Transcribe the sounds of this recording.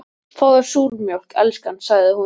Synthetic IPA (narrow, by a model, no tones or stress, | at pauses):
fɔwðḁsuːɾmjowl̥kɛ̰lskansaɣðɪhu